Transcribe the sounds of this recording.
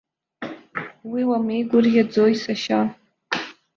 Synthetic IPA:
wiwamejɡʷʊrɡʲad͡zojsaʃa

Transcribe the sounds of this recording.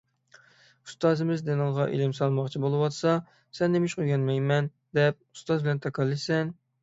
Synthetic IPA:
ust̪ɑːzɪmɪzd̪enɨŋʁɑʔḛlɪmsɑlˠmɑqt͡ʃʰibolˠɨwɑt̪sɑ | sɛnːemɪʃqʰojɡʲɛnmɛjmɛn | d̪ɛp̚u̥st̪ɑzbɪlɛnt̪ʰɑkʰɑlˠːɨsɛn

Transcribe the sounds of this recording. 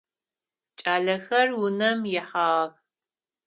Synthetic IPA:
t͡ʃʼaːɮɐxɐrwʊnɐmjɛħɑːʁɐɣ

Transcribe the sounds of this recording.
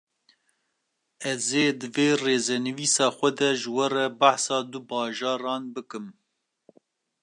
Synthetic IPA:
ɛzeːd̪ɨveːreːzɛnɨviːsɑːxʷɛd̪ɛʒɨwɛɾɛbaħsɑːd̪ubɑːʒɑːɾɑːnbɨkɨm

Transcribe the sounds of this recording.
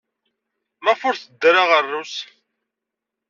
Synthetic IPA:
mæfʊɾθəd̪ːɾaʁərːus

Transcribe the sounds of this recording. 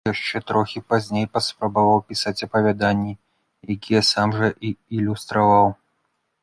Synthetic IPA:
jaʂt͡ʂɛt̪ɾɔxʲipazʲnʲejpɐspɾɐbavawpʲisat͡sʲɐpɐvʲad̪anʲːi | jakʲijɛsamʐɐʔiːlʲust̪ɾavaw

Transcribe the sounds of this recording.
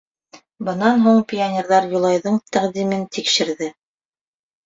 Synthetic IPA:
bɤ̆nɑnɦuɴpʲionʲeɾðɑɾjulˠɑjðɤɴt̪æqd̪imɘnt̪ikʃɘ̆ɾðɘ

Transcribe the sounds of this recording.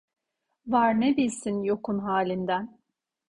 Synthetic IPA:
vaɾnebilʲsinjokunɦaːlʲind̪æn

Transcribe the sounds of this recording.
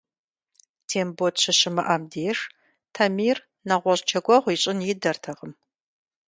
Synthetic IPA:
tʰeːmboːtɕʰɐɕɪmɐʔɐmdeːʂ | tʰɐmiːr | nɐʁʷɔɕʼt͡ʃʰɐɡʷɔʁʷiɕʼɪnjɪdɐrtʰɐʁəm

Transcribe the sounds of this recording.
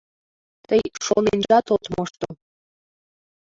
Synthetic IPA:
t̪əjʃonend͡ʒɑt̪ot̪mɤʃt̪o

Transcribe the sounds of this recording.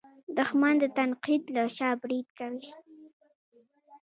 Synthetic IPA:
d̪ʊxmand̪ət̪anqid̪laʃɑbɾid̪̚kawi

